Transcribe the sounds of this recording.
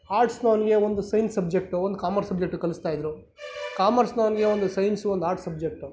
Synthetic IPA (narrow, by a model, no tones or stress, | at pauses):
aːɾʈsnaːnɡe̞ʋond̪usɐjnsɐb̚d͡ʒek̚ʈuond̪ukaːmɐɾsɐb̚d͡ʒekʈukɐlist̪aːjd̪ɾu | kaːmɐɾsnaːnɡe̞ʋond̪usɐjnsond̪aːɾʈsɐbd͡ʒek̚ʈu